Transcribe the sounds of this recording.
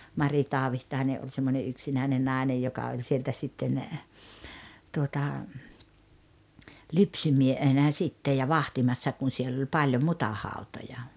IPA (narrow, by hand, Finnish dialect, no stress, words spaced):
mɑri tɑːʋihtɑine ʔolʲ semːonʲe yksinæˑine nɑˑinej jokɑ olʲ sieltæ sitːen tuotɑ lypsymiehenæ sitːej jɑ ʋɑhtimɑsːɑ kun̞ sielː olʲ pɑlʲjo mutɑhɑˑutojɑ